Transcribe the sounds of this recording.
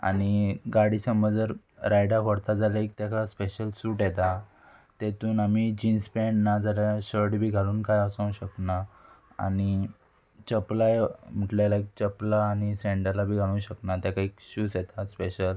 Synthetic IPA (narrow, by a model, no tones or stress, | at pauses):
a̰niɡaɽisəməd͡zəɾ | ɾajɽakəɽt̪ad͡zalakt̪jakaspeɕəlsuːʈjɛt̪a | t̪et̪uːnamid͡ʑinspɛɳɖnad͡zalaɕəɾʈbʱiːɡʱaluːnkajəsãũɕəkna | a̰ñi | t͡ɕəplajm̤əʈljalaik̚t͡ɕəplaːñisẽɳɖəlabʱiːɡʱalũːnɕəknat̪jakaikɕuːsjet̪aspeɕəl